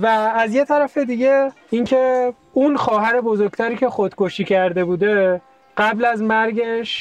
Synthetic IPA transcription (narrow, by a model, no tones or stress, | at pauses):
væːzje̞t̪ʰæɾæfe̞d̪iɟe̞ | iŋcʰe̞ | unxɒːɦæɾe̞bozo̞ɾɡt̪ʰæɾiːcʰe̞xod̪̥kʰoʃiːcʰæɾd̪e̞buːd̪e̞ | ɢ̥æblæzmæɾɟeʃ